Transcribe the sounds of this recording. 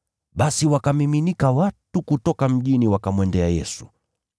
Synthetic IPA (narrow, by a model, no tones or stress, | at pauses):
ɓasiwakamiminikawatukutɔkam̩ʄiniwakamwɛndɛajɛsu̥